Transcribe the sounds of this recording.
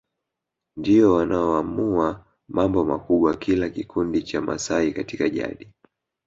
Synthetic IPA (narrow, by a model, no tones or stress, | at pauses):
ndiɔwanaɔamua | mambɔma̰kuɓwakilakikundit͡ʃama̰saikatikaʄa̰ɗi